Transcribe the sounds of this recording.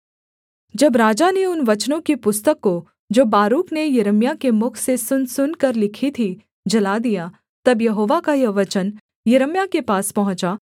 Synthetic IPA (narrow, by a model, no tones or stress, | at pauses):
d͡ʒɐbɾaːd͡ʒaneʊnʋɐt͡ʃnõkipʊst̪əkːo | d͡ʒoːbaːɾuːknejɐɾəmjakemʊkʰsesʊnsʊnkɐɾlɪkʰit̪ʰi | d͡ʒɐlad̪ija | t̪ɐbjɐɦoːʋakajɐʋɐt͡ʃən | jɐɾəmjakepaːspɐɦʊ̃t͡ʃa